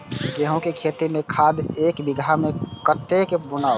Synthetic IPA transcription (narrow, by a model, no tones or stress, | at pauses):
jeɦõkekʰeːt̪imẽkʰaːd̪eːkbɪɡʱamẽkət̪ːekebʊnaːo